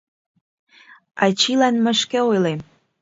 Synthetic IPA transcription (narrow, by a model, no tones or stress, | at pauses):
ɑt͡ɕilɑnmə̆ʃkĕojlem